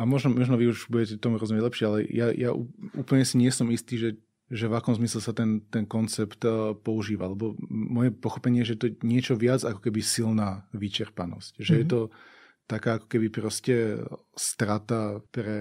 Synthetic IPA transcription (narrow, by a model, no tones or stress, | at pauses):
amɔʒnɔmɔʒnɔʋiuʒbuɟɛcɛt̪ɔmuɾɔzumjɛɟlɛpʃɪɛalɛjajaʔṵṵːpl̩ɲɛsiɲɪɛsɔmist̪iːʒɛ | ʒɛvakɔmzmislɛsat̪ɛnt̪ɛnkɔnt͡sɛpt̪pɔuʒiːʋalɛbɔmːɔjɛpɔxɔpɛɲɪɛɛʒɛɛt̪ɔɲɪɛt͡ʃɔʋɪad͡zakɔ̥kɛbisilnaːʋit͡ʃɛɾpanɔscʒɛjɛt̪ɔ | t̪akaːakɔ̥kɛbipɾɔscɛ | st̪ɾat̪apɾɛ